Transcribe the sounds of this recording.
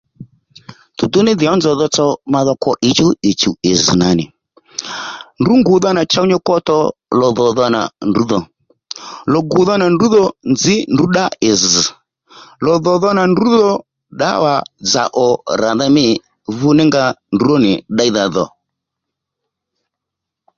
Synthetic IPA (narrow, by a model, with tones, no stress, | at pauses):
tu˨tʊ˦nɪ˦ðɪ˨ɔ˦nzɔ˨ðɔ˧t͡sɔ˦ma˧ðɔ˧kɔ˦ʔɪ˨˦t͡ʃu˦ɪ˨t͡ʃu˨ɪ˨zɨ˨na˨nɪ˨ | ndu˨˦ŋɡʊ˨ðɔ˦na˨t͡ʃa˦wɲɔ˦kɔ˦tɔ˦lɔ˨ðɔ˨ðɔ˧na̰˨ndu˨˦ðɔ˨ | lɔ˨ɡʊ˨ðɔ˦na˨ndu˨˦ðɔ˦nzɪ˦ndu˨˦ɗa˦ɪ˨z̩˨ | lɔ˨ðɔ˨ðɔ˦na˨ndu˨˦ðɔ˦ | ɗa̰˦wa˨d͡za̰˨ʔɔ˨ɾa˨ða˦mɪ˦˨ | vʊ˦nɪ˦ŋɡa˧ndu˨˦ɔ˦nɪ˨ɗa˦i˦ða˧ðɔ̰˨